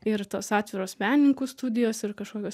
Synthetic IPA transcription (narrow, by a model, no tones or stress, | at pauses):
ɪɾt̪oːsɑːt̪ʲʋʲɪɾoːsmʲæːnʲnʲɪŋkuːst̪uːd̪ʲɪjoːsɪɾkɐʃkoːkʲoːs